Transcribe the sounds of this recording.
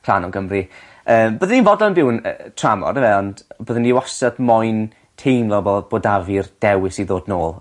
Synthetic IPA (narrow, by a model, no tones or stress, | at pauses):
pʰr̥a̰nɔɡəmri | əːmbəðəninvɔdɔənbɪwnətʰramɔ̰dəvɛɔndbəðəniwɔsɔdmɔjn | tʰejmlɔboboːdavird̥ɛwɪsiðoːdnoːlˠ